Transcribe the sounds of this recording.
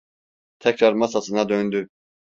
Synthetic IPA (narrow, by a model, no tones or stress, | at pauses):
t̪ʰɛcɾaɾmasasɯnad̪ønd̪y